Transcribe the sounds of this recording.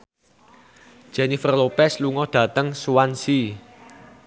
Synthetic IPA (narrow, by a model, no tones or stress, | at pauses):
ʒ̥ɛnifərlopɛsluŋɔd̥ä̤t̪əŋsuwansi